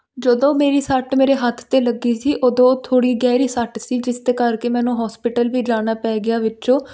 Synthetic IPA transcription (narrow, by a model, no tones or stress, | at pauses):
d͡ʒəd̪õːmeːɾiːsəʈmeːɾeːɦət̪ʰt̪eːləɡiːsiːʔoːd̪õːt̪ʰoːɽiːɡɛːɾiːsəʈsiːd͡ʒɪst̪eːkəɾkeːmɛ̃ːnũːɦɔːspɪʈəlʋiːd͡ʒaːɽ̃aːpɛːɡɪjaːʋɪt͡ʃõː